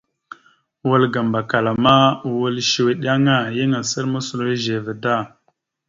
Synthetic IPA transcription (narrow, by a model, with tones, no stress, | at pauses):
wə˦lɡa˨mba˨ka˨la˨ma˦˨wə˦lʃi˨we˨ɗi˦a˦ŋa˦jə˦ŋa˨sə˦ɾmə˦su˨lo˨i˦ʒe˨və˨da˦˨